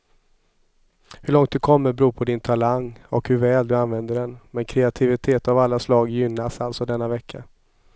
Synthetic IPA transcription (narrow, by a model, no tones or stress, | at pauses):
hɵɭɔŋt̪̚d̪ɵkʰɔmːəɾbɾuːpʰɔd̪ɪnt̪ʰalaŋːɔkhɵɾvɛːld̪ɵanvɛnd̪əɖɛnmɛnkʰɾɛat̪ʰɪvɪt̪ʰeːt̪avalːaslɑːɡjʏnːasalt̪sɔd̪ɛnːavɛkʰːa